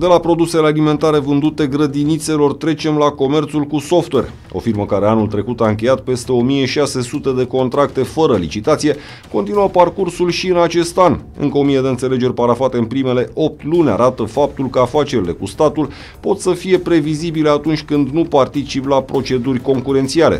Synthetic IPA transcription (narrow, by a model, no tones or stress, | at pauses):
d̪e̞lapɾo̞d̪use̞lealime̞nt̪aɾe̞vɨnd̪ut̪e̞ɡɾəd̪init̪se̞lo̞rt̪ɾe̞t͡ʃe̞mlako̞mert̪sulkuso̞ft̪we̞rʲ | o̞̰firməkaɾe̞anult̪ɾe̞kut̪aɨŋk̬ʲe̞jat̪̚pe̞st̪e̞o̞mije̞ʃase̞sut̪e̞d̪e̞ko̞nt̪ɾak̚t̪e̞fəɾəlḭt͡ʃit̪at̪sije̞ | ko̞nt̪inuəparkursulʃiɨnat͡ʃe̞st̪anɨ̰ŋkəo̞mije̞d̪eɨnt̪sele̞d͡ʒe̞rʲpaɾafat̪e̞ɨnpɾime̞le̞ʔo̞p̚t̪lunʲa̰ɾat̪əfap̚t̪ulkəafat͡ʃe̞ɾile̞kust̪at̪ul | po̞t̪səfije̞pɾe̞vizibileat̪unt͡ʃʲkɨnd̪nupart̪it͡ʃiplapɾo̞t͡ʃe̞d̪urʲko̞ŋkuɾe̞nt̪sialḛ